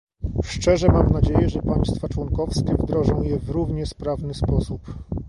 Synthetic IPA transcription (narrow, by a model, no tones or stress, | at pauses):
ʂt͡ʂɛʐɛmamnad͡ʑejɛʐɛpaj̃st̪fat͡ʂwɔŋkɔfskʲɛvd̪ɾɔʐɔ̃w̃jɛvɾuvɲɛspɾavnɘspɔsup